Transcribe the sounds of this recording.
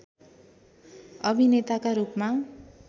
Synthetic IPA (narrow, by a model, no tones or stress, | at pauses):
ʌbʱinet̪akaɾupma